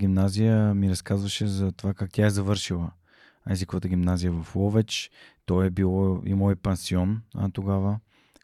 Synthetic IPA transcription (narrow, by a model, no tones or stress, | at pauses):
ɡʲimnazijəmiɾɐskazvəʃɛzɐt̪ovakak̚t̪ʲaɛzɐvɤɾʃilˠə | ɛzikovət̪əɡʲimnazijəvɐflɔvɛt͡ʃt̪ɔɛbilˠɔḭmolipɛnsiɔnt̪oɡavə